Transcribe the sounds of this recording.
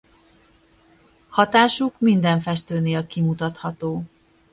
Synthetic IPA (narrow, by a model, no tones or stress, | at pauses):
hɒt̪aːʃukmind̪ɛɱfɛʃt̪øːneːlkimut̪ɒt̪hɒt̪oː